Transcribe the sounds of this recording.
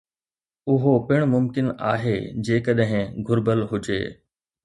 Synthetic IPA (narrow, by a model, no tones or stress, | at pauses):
ʊɦopɪɽ̃mʊmkɪna̰ːɦeːd͡ʑeːkəɗɦɪ̃ɡʱʊɾbəlɦʊd͡ʑḛː